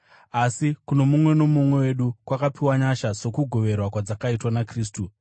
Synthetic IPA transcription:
asikuno̞mumwe̞no̞mumwe̞we̞ɗukwakapiwaɲaʃaso̞kuɡʱo̞ʋe̞rwakwad͡zakaitwanakriːstu

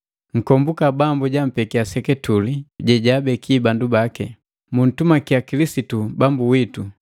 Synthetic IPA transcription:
ŋ̩kɔmbukabambuɟam̩pɛkiasɛkɛtuliɟɛɟabɛkʰiːbandubakɛ | mun̩tumakiakilisitubambuwitu

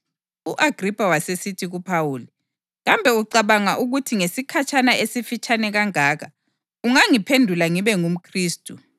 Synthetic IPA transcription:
uʔaɡ̥ʱripʼawasesitʰiɣupʰawuːli | ɣambʱɛuǀaβaŋaʔuɣutʰiŋesikʰat͡ʃʰʼanaʔesifit͡ʃʰʼanɛɣaŋaːɣa | uŋaŋipʰendʱulaŋiβɛŋum̩kʰriːstʼu

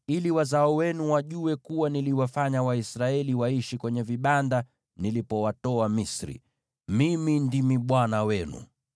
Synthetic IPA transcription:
iliwazaɔwɛnuwaʄuwɛkuwaniliwafaɲawaisɾaɛliwaiʃikwɛɲɛviɓanda | nilipɔwatɔamisɾḭ | mimindimiɓwanawɛnṵ

